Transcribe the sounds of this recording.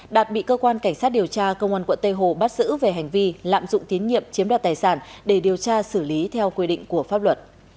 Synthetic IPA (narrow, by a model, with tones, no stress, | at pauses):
ɗaː˨˩t̚ɓḭ˧˨kəː˧kwaː˧nka˧˩ŋ̟saː˦˥t̚ɗi˨˩əwt͡ɕaː˧kə˧wŋa˧nkwə˧˨nt̪ə˧jɦo˧˨˩ɓa˦˥t̚zɨ̰˧˥ve˨˩ɦa˨˩jŋ̟vi˧la̰ː˧˨mzʊ̰˧˨ŋ͡mt̪i˨˦nɲḭ˧˨əmt͡ɕi˨˦əmɗwaː˨˩t̪aː˨˩jsaː˧˩nɗe˧˩ɗi˨˩əwt͡ɕaː˧sɨ˧˩li˨˦t̪ʰɛ˧wkwi˧ɗḭ˧˨ŋ̟ku˧˩əfaː˦˥p̚lwə˨˩t̚